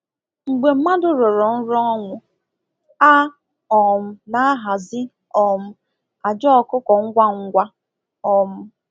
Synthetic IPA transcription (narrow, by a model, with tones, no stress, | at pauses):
ŋ͡m̩˨ɡ͡be˨m̩˦ma˦dʊ˨ɾɔ˨ɾɔ˨n̩˦ɾɔ˦ɔ˦ŋʷʊ˨ | a˦ | ɔ˨m̩˦na˦a˦ɦa˨zɪ˦ | ɔ˨m̩˦ | a˨d͡ʒɔ˦ɔ˦˨kʊ˦kɔ˨ŋ̩˦ɡʷa˦ŋ̩˦ɡʷa˦ | ɔ˨m̩˦